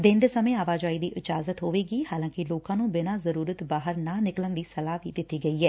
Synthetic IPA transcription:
d̪ɪ̃nd̪eːsəmẽːaːʋaːd͡ʒaːiːd̪iːʔɪd͡ʒaːzət̪ɦoːʋeːɡiːhaːlãːkɪloːkãːnũːbɪnaːzəɾuːɾət̪baːɦəɾnãːnɪklənd̪iːsəlaːʋḭːd̪ɪt̪ːiːɡəiːɦɛː

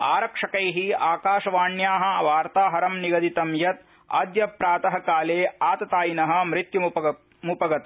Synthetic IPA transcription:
aːɾɐkʂɐkɐjɦiaːkaːʂɐʋaːɳjaːɦɐ̆ʋaːɾt̪aːɦɐɾɐmniɡɐd̪it̪ɐmjɐt̪̚ | a̰d̪jɐpɾaːt̪ɐɦɐkaːleːaːt̪ɐt̪aːjinɐɦɐ̆mɾit̪ju | mupɐɡɐt̪

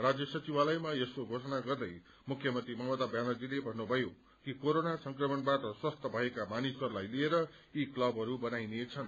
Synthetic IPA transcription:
rad͡zjʌsʌt͡sibalʌjmajeskoɡʱosʌnaɡʌrd̪ʌj | mukʰjʌmʌnt̪rimʌmʌt̪abjanʌd͡zilebʱʌnːubʱʌjo | kikoɾonasʌŋkrʌmʌnbaʈʌswʌst̪ʌbʱʌekamanisʌɾulajlieɾʌ | iklʌbɦʌɾubʌnajnet͡sʰʌn

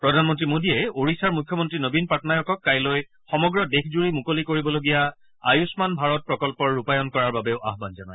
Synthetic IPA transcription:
pɹɔdʱanmɔntɹimodiɛoɹisaɹmujkʰːjɔmɔntɹinobinpatʰɔnajɔkɔkːajloj | xɔmɔɡɹɔdekʰzuɹimukolikoɹibɔloɡija | ajusmanbʱaɹɔt̚pɹɔkɔlpɔɹːupajɔnkɔɹaɹbabeʊʔa̰ɦbanzanaj

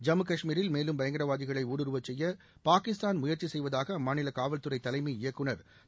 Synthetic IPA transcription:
d͡ʒɐmɯkɐʂmiːɾɪlmeːlɯmbɐjɐŋɡɐɾɐʋaːðɪɣɐɭɐɪuːɽɯɾɯʋɐt͡ʃːɛjːɐ | paːkɪst̪aːnmʊjɐrt͡ʃisɛjʋɐðaːɣɐmaːnɪlɐkaːʋɐlt̪ɯɾɐɪt̪ːɐlɐɪmiɪjɐkːɯɳɐɾ

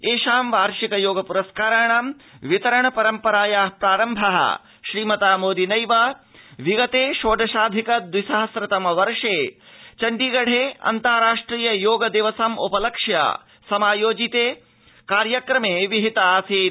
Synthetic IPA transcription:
eːʃaːmʋaːɾʃikɐjoːɡɐpuɾɐskaːɾaɳaːm | ʋit̪ɐɾɐɳɐpɐɾɐmpɐɾaːjaːpɾaːɾɐmbʱɐɦɐ̰ | ʃɾiːmɐt̪aːmoːd̪inɐjʋɐ | ʋiɡɐt̪eːʃoːd̪ʱɐʃaːd̪ʱikɐd̪wisɐɦɐsɾɐt̪ɐmɐʋɐɾʂeː | t͡ʃɐɳɖiːɡɐɽ̤ʱeːɐ̰nt̪aːɾaːʂʈɾiːjɐjoːɡɐd̪iʋɐsɐmʔṵpɐlɐkʂjɐ̰ | sɐmaːjoːd͡ʒit̪eː | kaːɾjɐkɾɐmeːʋiɦit̪ɐaːseː

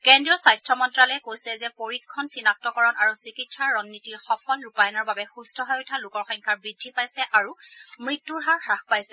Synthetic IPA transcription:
kɛndɹiɔsajstʰɹɔmɔntɹalɔɛkojsɛzɛpoɹikʰːɔnsinak̚tɔkɔɹɔnʔaɹusikitsaɹɹɔnːitiɹxɔpʰɔlɹupajɔnɔɹbabɛxustʰɔɦɔjojtʰalʊkɔɹxɔ̃ŋkʰaɹbɹidʱːipajsɛʔaɹumɹitːuɹɦaɹxaxpajsɛ

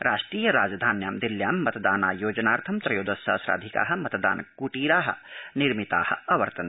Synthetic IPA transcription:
ɾʔaːʃʈɾiːjɐɾaːd͡ʒd̪ʱaːnjaːmd̪iljaːmːɐt̪d̪aːnaːjoːd͡ʒɐnaːɾt̪ʰɐmt̪ɾɐjoːd̪ɐsa̰ːsɾa̰ːd̪ʱika̰ːɦɐ̆mɐt̪d̪a̰ːnkuʈiːɾaːɦɐ̰̆niɾmit̪a̰ːhɐ̆ɐʋɐɾt̪ɐn

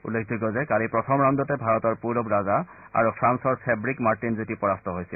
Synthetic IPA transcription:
ṵlːekʰdʱuɡɔzɛkalipɹɔtʰɔmɹɔndɔtɛbʱaɹɔtɔɹpuɹɔbɹaza | a̰ɹupʰɹansɔɹsɛbɹikmaɹtinzutipɔɹastɔɦojsḭl

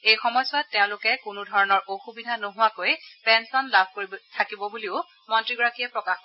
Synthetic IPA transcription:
ejxɔmɔjswatːeʊ̃lʊkɛkʊnudʱɔɹɔnɔɹʔoxubidʱanoɦʊwakojpɛnsɔnlabʱkoɹibtʰakibɔbuliʊ | mɔntɹiɡɔɹakijɛpɹɔkax

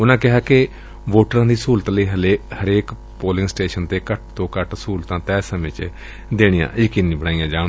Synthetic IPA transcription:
ʊnãːkɪɦaːkɪ | ʋoːʈɾãːd̪iːsuːlt̪ːləiːɦəleːhəɾeːk | poːlɪ̃ŋsʈeːʃənt̪eːkəʈ̚t̪õːkəʈsuːlt̪ãːt̪ɛːsəmẽːt͡ʃ | d̪eːɽ̃ijã̰ːɪkɪnĩːbəɽaːijãːd͡ʒãː

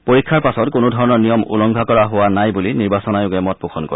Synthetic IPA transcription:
poɹikʰːaɹpasɔtkonodʱɔɹɔnɔɹnijɔmṵlɔŋɡʱakɔɹaɦʊwanajbuliniɹbasɔnajʊɡɛmɔt̚puxʰɔnkɔ̰ɹi

